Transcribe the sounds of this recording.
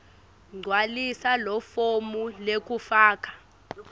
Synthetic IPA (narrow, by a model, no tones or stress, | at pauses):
ŋ͡ǀʱwalisalɔfomulek̬ʼufaːk̬ʼḁ